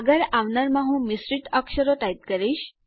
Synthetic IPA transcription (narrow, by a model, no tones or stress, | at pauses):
ɡəɾaʋnəɾmaɦũmisɾiʈəkʂəɾoʈ̪ajt̪̚kəɾiɕ